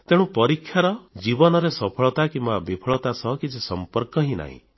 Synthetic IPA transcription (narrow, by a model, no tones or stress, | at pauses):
t̪eɽ̃ũpɔɾikʰːjaɾɔd͡ʒibɔnɔɾesɔpʰɔɭɔt̪akimbabipʰɔɭɔt̪asɔkisesɔmpɔɾkɔɦĩna̰ɦḭ̃